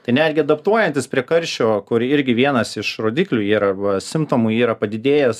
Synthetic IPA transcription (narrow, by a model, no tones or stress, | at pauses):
t̪ɐɪnʲæd̪ʲɡʲɪɐd̪ɐpt̪uɔjɛnʲt̪ʲɪspʲɾʲiɛkɐɾʲʃʲoːkʊɾɪɾʲɡʲɪʋʲiɛnɐsɪʃɾoːd̪ʲiːklʲuːiːɾɐʋɐsʲɪmt̪oːmuiːɾɐpɐd̪ʲɪd̪ʲeːjɛs